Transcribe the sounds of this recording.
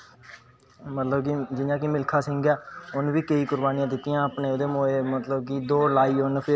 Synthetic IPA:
mət̪ləbkiːd͡ʒɪnãːkimɪlkʰaːsɪ̃ŋɡɛːʊnʋiːkəiːkʊɾbaːnijãːd̪ɪt̪ːɪjãːəpneːd̪eːmoːeːmət̪ləb̚kiːd̪oːlaːiːʊnpʰɪ

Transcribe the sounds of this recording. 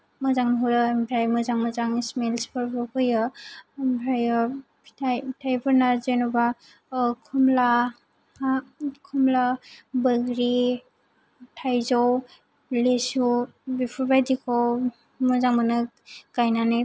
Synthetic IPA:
mɯzaŋnɦuɾɯmbʰʱɾajmɯzaŋmɯzaŋismelspʰɔɾbɔpʰɯjɯmbʱɾajɔ | pʰi̥tʰajitʰajbɯɾnazɯjnɔba | kʰumla | kʰumlabɯɡɾi | tʰajzɔw | lesu | bipʰɔɾbajdikʰɔw | mɯzaŋmanɯ | kajnanɯ

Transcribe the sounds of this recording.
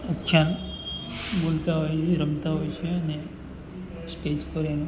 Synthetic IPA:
ukʰːjan | bolt̪aɦojeɾəmt̪aɦojt͡ʃʰeəne | sʈed͡ʒkɔɾen

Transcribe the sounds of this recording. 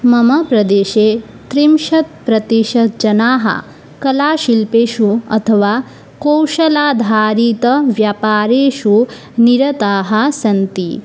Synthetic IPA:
mɐmɐpɾɐd̪eːʃeː | t̪ɾimʃɐt̪̚pɾɐt̪iʃɐd͡ʒɐnaːɦɐ̰ | kɐlaːʃilpeːʃuɐ̰t̪ʰɐʋaː | kowʃɐlaːd̪ʱaːɾiːt̪ɐʋjaːpaːɾeːʃu | niɾɐt̪aːɦɐsɐnt̪i

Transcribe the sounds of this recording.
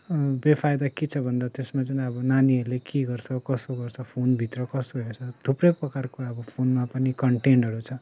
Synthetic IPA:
bepʰajd̪akit͡sʰʌbʱʌnd̪at̪esmat͡sʌnĩʌbʌnaniʌɾlekiɡʌrt͡sʰʌkʌsoɡʌrt͡sʰʌpʰonbʱit̪rʌkʌst̪oɾʌet͡sʰʌd̪̥ʱuprʌjprʌkarkoʌbʌpʰonmapʌnikʌɳʈenɖʌɾut͡sʰʌ

